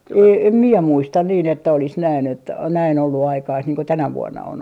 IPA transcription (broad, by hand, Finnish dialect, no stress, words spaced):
eː em mie muistɑn niːn etːæ olis næin etːæ næin olːu ɑikɑist niːŋ ko tænæ ʋuonːɑ on